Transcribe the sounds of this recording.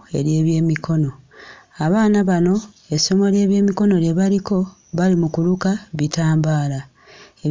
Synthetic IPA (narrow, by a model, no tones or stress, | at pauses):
e̞̰ɾje̞ːβje̞ːmikʰo̞noaβaːnaβano̞ | eso̞mo̞lje̞ːβje̞ːmiko̞no̞ɾjeβaliko̞ | βalimukulukaβitaːmbaːla | e